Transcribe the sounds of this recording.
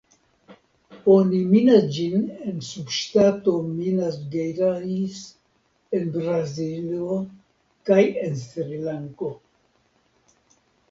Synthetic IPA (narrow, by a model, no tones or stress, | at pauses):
oniminad͡ʒinensubʃtato̞minasɡejɾais | e̞nbɾazilo | kaje̞nsɾilaŋko̞